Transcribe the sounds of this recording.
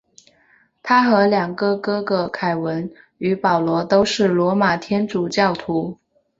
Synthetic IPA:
t̪ʰa˥xɤ˧˥ljɑ˨˩ŋɡɤ˥˧kɤ˥ɡə˧kʰa˨˩ɪwə˧˥n | y˧˥pɑ˨˩ʊlwɔ˧˥t̪o˥ʊʂɻ̩˥˩lwɔ˧˥ma˨˩t̪ʰjɛ˥nʈ͡ʂu˨˩t͡ɕjɑ˥˩ʊt̪ʰu˧˥

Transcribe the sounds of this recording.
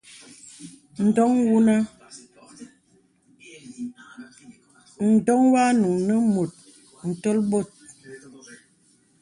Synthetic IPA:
n̩˨dɔ˦ŋwu˦na˦ | n̩˨dɔ˦ŋwa˦nu˨ŋnə˦mo˨t̚ | n̩˨tɔ˦lbo˦˨t̚

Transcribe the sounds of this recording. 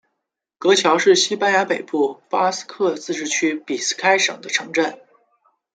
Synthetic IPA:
kɤ˧˥t͡ɕʰjɑ˧˥ʊʂɻ̩˥˩ɕi˥pa˥nja˧˥pe˨˩ɪpu˥˩pa˥s̩˥kʰɤ˥˧t͡sɹ̩˥˧ʈ͡ʂɻ̩˥˩t͡ɕʰy˥pi˨˩sɹ̩̥˥kʰa˥ɪʂɤ̰˨˩ŋd̪ə˦ʈ͡ʂʰɤ˧˥ŋʈ͡ʂa˥˩n

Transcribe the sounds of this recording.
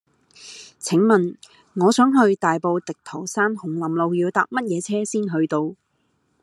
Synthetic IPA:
t͡sʰɪ˨˥ŋmɐ˨n | ŋɔː˨˧sœː˨˥ŋɦɵ˧ɥt̪aː˨jpo˧wt̪ɪ˨k̚t̪ʰo˨˩wsaː˥nhʊ˨˩ŋlɐ˨mlo˧wjiː˧wt̪aː˧p̚mɐ˥t̚jɛː˨˧t͡sʰɛː˥siː˥nɦɵ˧ɥt̪o˧w

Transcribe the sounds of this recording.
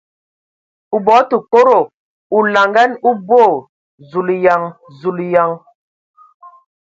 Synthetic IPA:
u˨bɔ˨˦tu˨ko˦ɾo˨ | u˨la˨ŋɡa˦nu˦boː˦˨ | zu˨lja˨ŋ | zu˨lja˨ŋ

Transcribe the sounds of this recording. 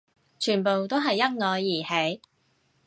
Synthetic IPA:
t͡ʃʰyː˨˩npo˨wt̪o˥wɦɐ˨jːɐ˥ŋŋɔː˨˧jːiː˨˩he˨˥j

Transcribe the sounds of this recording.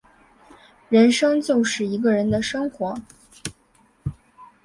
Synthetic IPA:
ɻə˧˥nʂɤ˥ŋt͡ɕjo˥˧ʊʂɻ̩˥˩i˧˥ɡə˧ɻə˧˥nd̪ə˨ʂɤ˥ŋxwɔ˧˥

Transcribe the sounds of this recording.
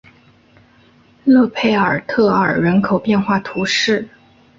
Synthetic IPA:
lɤ˥˧pʰe˥˩ɪə˞˨˩t̪ʰɤ˥˩ə˞˨˩ɻə˧˥nkʰo˨˩ʊpjɛ˥˧nxwa˥˩t̪ʰu˧˥ʂɻ̩˥˩

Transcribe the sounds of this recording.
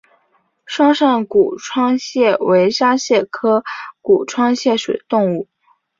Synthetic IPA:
ʂwɑ˥ŋʂa˥˩nku˨˩ʈ͡ʂʰwɑ˥ŋɕjɛ˥˩we˧˥ɪʂa˥ɕjɛ˥˩kʰɤ˥ku˨˩ʈ͡ʂʰwɑ˥ŋɕjɛ˥˩ʂwe˨˩d̪ə˦t̪ʊ˥˧ŋu˥˩

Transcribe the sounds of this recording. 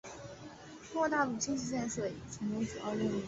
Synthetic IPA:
ʈ͡ʂŋwɔ˥˧˩t̪a˥˧lu˥˩t͡ɕi˥ŋt͡ɕi˥˧ɕjɛ˥˧nʂɤ˥˩i˨˩ʈ͡ʂʰi˧˥ŋnu˧˥ʈ͡ʂ̩˨˩ɑ̰˥˧ʊlu˥˩

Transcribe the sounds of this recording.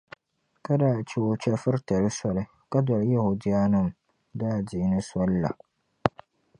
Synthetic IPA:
ka˦daː˦˨t͡ʃɛ˦o˨t͡ʃɛ˦fɨ˦ɾtɛ˨ɾɨ˦sɔ˦lɨ˦ | ka˦dɔ˨ɾɨ˦ja˦hu˨dɪ˦ja˦nɨ˦˨m˨ | daː˦˨dɪ˨ɪ˦nɨ˦sɔ˦lla̰˨

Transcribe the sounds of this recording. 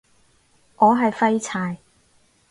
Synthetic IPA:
ŋɔː˨˧ɦɐ˨jfɐ˥jt͡sʰaː˨˧j

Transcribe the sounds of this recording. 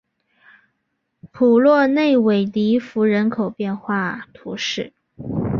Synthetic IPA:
pʰu˨˩lwɔ˥˧ne˥˩ɪwe˨˩ɪt̪i˧˥fu˧˥ɻə˧˥nkʰo˨˩ʊpjɛ˥˧nxwa˥˩t̪ʰu˧˥ʂɻ̩˥˩

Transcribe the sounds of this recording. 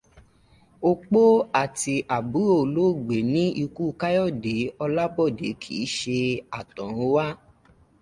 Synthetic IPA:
o˧k͡po˦a˦˨ti˧ʔa˨bu˨˦o˦˨lo˦˨ɡ͡be˨˦nĩ˦ʔi˧ku˦˧ka˦jɔ˦˨de˨˦ɔ˧la˦bɔ˦˨dḛ˨˦kʰḭ˨˦ʃe˧a˨tɔ̃˨ɾ̃ũ˨˦wa˦

